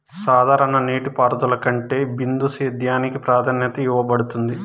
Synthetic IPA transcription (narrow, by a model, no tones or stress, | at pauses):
saːd̪ʱaːɾɐnɐniːʈipaːɾd̪ulɐkɐɳʈe̞ːbind̪useːd̪jaːnikipɾaːd̪ʰʱɐnjɐt̪ɐjuʋɐbɐɽut̪und̪i